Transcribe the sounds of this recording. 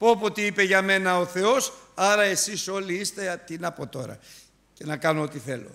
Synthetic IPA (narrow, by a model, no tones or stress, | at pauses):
popot̪iipe̞ʝɐme̞nɐo̞θe̞o̞sɐɾɐe̞siso̞liist̪e̞t̪inɐpo̞t̪o̞ɾɐ̰ | ce̞nɐkɐno̞ot̪iθe̞lo̞̰